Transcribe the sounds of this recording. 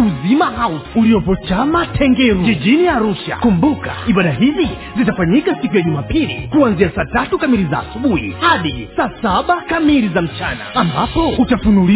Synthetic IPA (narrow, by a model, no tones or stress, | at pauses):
uzimaɦauuliɔpɔt͡ʃamatʰɛŋɡɛɾud͡ʒiʄiniaɾuʃa̰kumbuka̰iɓaɗaɦizi | zitafaɲikasikujaʄumaːpilḭkuanziasaːtatukamilizaːsuɓuhḭhaɗisaːsaɓakamilizam̩t͡ʃana̰ambapɔutafunuli